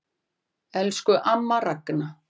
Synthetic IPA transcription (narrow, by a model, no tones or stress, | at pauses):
ɛlskʏʔamːarakːna